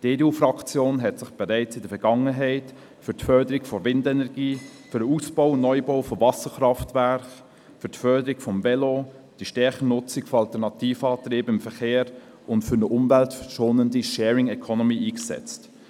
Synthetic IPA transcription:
d̥eːdeuːfrɑkt͡sjoːnɦɛtsɪχb̥ɛɾɛɪt͡sɪdəfɛɾɡ̥ɑŋəɦɛɪt | fʏɾtfœɾdəɾɪkfovɪndɛnɛɾɡ̥iːfʏɾəusb̥ɔʊnɔʏboʊfovɑsəχɾɑftvæɾχ | fʏɾtfœɾdəɾɪkfɔmvɛlo | d̥iʃtɛɾχənʊt͡sɪkfoɑltɛɾnɑtiːfɑːtɾeːbəɪmfəχeːɾ | ʊntfʏɾnəʔʊmvɛltfəʃoːnəndiʃɛːɾɪŋɛkʰɔnɔmiːʔiːksɛ̰t͡st

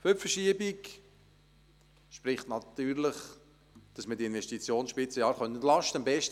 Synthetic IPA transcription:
føfəʃiəbik | ʃpɾɪχtnɑt̪yːɾləχ | d̥ɑsmədiɪnʋɛʃtit͡sjoːnsʃpɪt͡səjɑːɾχœntəntlɑʃtəəmbɛʃt

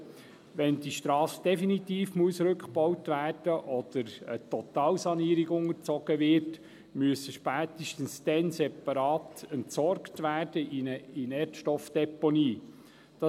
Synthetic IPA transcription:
ʋɛnd̥iʃt̪ɾɑːsd̥ɛfinit̪iːfmuəsɾɵkχbɔwtʋæːrd̥əʔɔd̪̥əɾət̪ɔt̪ɑːlsɑniəɾiɡʊŋəɾt͡sɔɡ̥əʋɪɾt | myəsəʃpæːt̪əʃtənsd̥̪ɛnsɛpɑɾɑːt̪ɛntsɔɾktʋæːrd̥əʔɪnɛːrtʃtɔfd̪̥ɛpɔniː | d̥ɑ

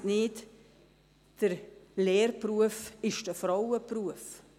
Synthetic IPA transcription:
nɪːt | d̥əɾlɛːrpruəfɪʃd̥əfɾawəpruəf

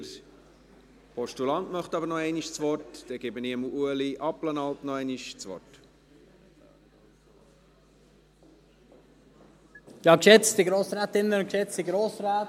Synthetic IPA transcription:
pʰɔʃtulɑntmœχt̪ɑbəɾnɔɛɪniʃt͡sʋɔrtd̥ɛɡ̥ɛbəniəmuuəliʔɑplənɑltnɔɛɪniʃt͡sʋɔ̰rt | jɑːkʃɛt͡sd̥iɡɾoːsɾaːt̪ɪnːəkʃɛt͡stiɡɾoːsɾaː

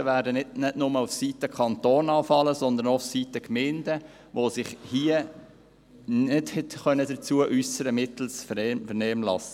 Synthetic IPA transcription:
əʋæːɾdənɪdnɪdnʊməufsiːtəkʰɑnt̪oːnɑːfɑləsɔnd̪əɾnɔufsiːtəkmɪnd̥̪ə | ʋosɪχhiə | nɪdhɛtχœnədət͡suəʔysəɾəmɪt̪l̩sfəɾɛmfəɾnɛːmlɑ̰sə

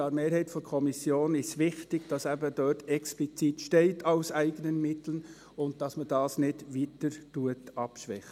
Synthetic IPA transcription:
ɑːɾmeːɾhɛɪtfɔɾkʰɔmisjoːnɪsʋɪχtɪɡ̥d̥ɑsæbəd̥øːtɛksplit͡sitʃtɛɪtʰaʊsæɪɡənənmɪtlən | ʊnd̚d̥ɑsmədɑːsnɪdʋiːtəɾtuətɑpʃʋɛχ

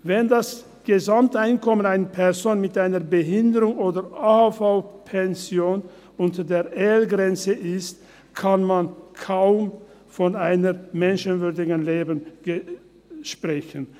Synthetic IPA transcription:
vɛndas | ɡ̥əzamtʔaɪnkʰɔmənaɪnəpʰɛɐzoːnmɪtʔaɪnəɐbəɦɪndəʁʊŋʔoːdɐaːhafaʊpʰɛnzjoːn | ʊntədeːɐʔɛːlɡʁɛnt͡səʔɪst̚ | kʰanmankʰaʊm | fɔnaɪnəmɛnʃənvʏɐdɪɡənleːbənɡ̥ | ʃpʁ̥ɛçən

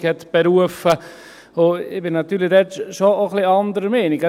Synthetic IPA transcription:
khɛt̪b̥ɛɾuəfə | oɪbɪnɑt̪yːlɪdɛtʃooχliɑndəɾəmɛːnɪɡ

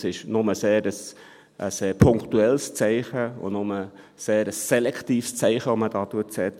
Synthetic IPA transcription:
sɪʃnʊməseːɾəs | ʔəseːɾpʰʊŋktuɛlst͡sæɪχəʊ̰nʊmə | seːɾəsːɛlɛktiːfst͡sæɪχəɔməd̥ɑːtuətsɛt

